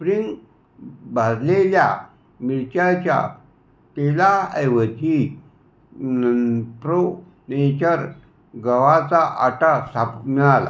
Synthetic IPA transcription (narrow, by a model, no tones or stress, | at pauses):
spɾiŋɡ | bad͡zlelja̰ | miɭt͡ɕat͡ɕja̰ | t̪elaəjʋət̪i | pɾo | net͡ɕəɾ | ɡəʋat͡saʔaʈasapmiɭala̰